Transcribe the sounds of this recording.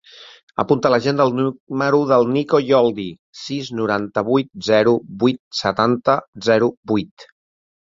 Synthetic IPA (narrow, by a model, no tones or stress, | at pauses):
ə̰punt̪ələʒend̪əlˠnuməɾuðəlˠnikojɔlˠd̪i | siznuɾant̪əβujt̪̚zɛɾubujt̪̚sət̪ant̪əzɛɾubujt̪